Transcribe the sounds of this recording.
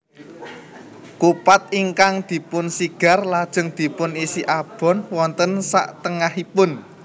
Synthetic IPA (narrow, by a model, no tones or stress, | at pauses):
kupat̪̚iŋkaŋd̪̥i̤pʊnsiɡ̥a̤rlad̥ʒ̥ə̤ŋd̪̥i̤pʊnisiʔab̥ɔ̤nwɔnt̪ənsa̰ʔt̪əŋahipʊn